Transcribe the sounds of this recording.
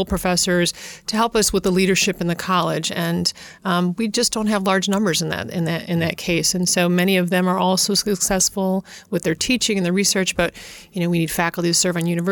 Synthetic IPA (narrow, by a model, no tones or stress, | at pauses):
lˠpʰɹ̥ɨfɛsə˞z̥tʰɨɦɛlˠpʌswəðəliɾə˞ʃɪpɨ̃n̩ðɨkʰɑlˠɪd͡ʒɨ̃n | wid͡ʒʌsd̥õʊ̃nt̚ɦəvlɑɹd͡ʒnʌ̃mbə˞zɨ̃nðɨ̰ɾɪ̰̃nðɨɾɪ̰̃nðɨt̚kʰeɪsɨ̃nsoʊmɛɾ̃iʌvðɨ̃mə˞ʔɔlˠsoʊsɨksɛsfl̩ˠwɨðə˞tʰit͡ʃɪ̃ŋɨ̃nðə˞ɹisɜ˞t͡ʃb̥ʌt̚jɨñoʊwinid̥fækl̩ˠtiz̥sɜ˞vɨ̃n̩jʉñɨv